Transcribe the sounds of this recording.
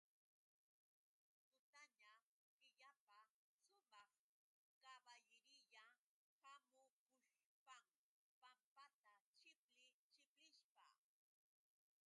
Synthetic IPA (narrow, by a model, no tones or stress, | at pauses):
t̪ʊt̪aɲa | kɪʎapa | ʃʊmɑχ | kɑbajɪɾɪʎa | hamʊkʊʃ | pam | pampat̪at͡ʃɪplɪt͡ʃɪplɪʃpa̰